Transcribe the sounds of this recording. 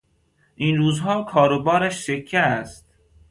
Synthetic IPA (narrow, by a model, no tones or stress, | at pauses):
ʔiːnɾuːzɦɒːkʰɒːɾobɒːɾæʃsekʰːeæst̪̚